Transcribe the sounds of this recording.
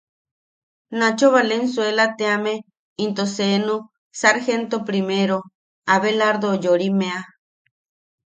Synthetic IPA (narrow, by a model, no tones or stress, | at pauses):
nat͡ʃoβalensuelat̪eame | int̪osenu | saɾxent̪opɾimeɾo | aβelaɾd̪ojoɾimea